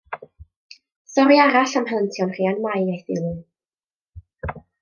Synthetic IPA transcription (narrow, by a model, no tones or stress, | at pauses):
sɔɾiaɾaɬamhalˠəntʰjɔnr̥iːanmajaθɪ̰lˠu